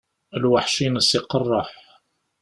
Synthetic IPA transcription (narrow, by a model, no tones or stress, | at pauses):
əlwaħʃinəsiqərˤːɑħ